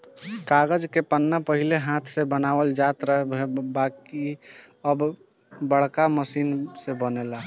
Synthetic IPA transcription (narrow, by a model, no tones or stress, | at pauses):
kaːɡəd͡ʒkepənːapəɦileɦãːt̪ʰsebənaːwəld͡ʒaːt̪ɾəɦebɦebaki | əb | bəɽ̤kaməsiːnsebənela